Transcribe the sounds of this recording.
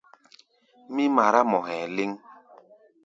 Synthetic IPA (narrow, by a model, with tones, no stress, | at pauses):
mi˦ma˨ɾa˦mɔ˨ɦɛ̃˨le˦ŋ